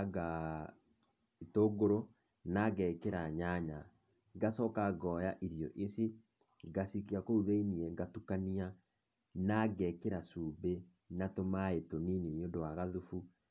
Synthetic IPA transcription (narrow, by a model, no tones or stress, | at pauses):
ɡa | etoɡoɾo | naɡɛkeɾaɲaɲa | ɡasɔkaɡɔjaʔiɾjɔʔese | ɡasikiakouðeiniɛɡatukania | naɡɛkeɾasuːbe | natomaetonininondowaɣaðufu